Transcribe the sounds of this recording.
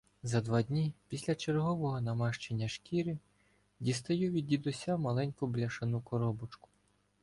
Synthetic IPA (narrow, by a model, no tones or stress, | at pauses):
zɐd̪ʋɑd̪ʲnʲipʲisʲlʲɐt͡ʃerɦɔʋɔɦɔnɐmɑʃt͡ʃenʲːɐʃkʲiɾɪ | dʲist̪ɐjuʋʲidʲid̪ʊsʲamɐlˠɛnʲkʊblʲɐʃɐnukɔɾɔbɔt͡ʃkʊ̥